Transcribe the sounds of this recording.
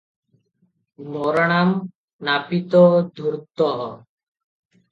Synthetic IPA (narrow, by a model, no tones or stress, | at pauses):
mɔɾɔɽ̃am | napit̪ɔd̪ʱuɾt̪ɔɦɔ